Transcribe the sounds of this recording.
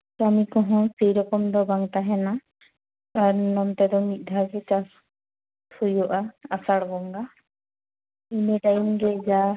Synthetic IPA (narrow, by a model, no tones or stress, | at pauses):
tamikɔɦɔ̃sejɾɔkɔmd̪ɔbaŋtaɦɛna | aɾnɔmt̪ɛd̪ɔmit̪̚ˀd̪ʱaɡɛt͡ʃasʰ | ujɔʔaasaɽbɔŋɡa | inɛʈajimɡɛd͡ʒa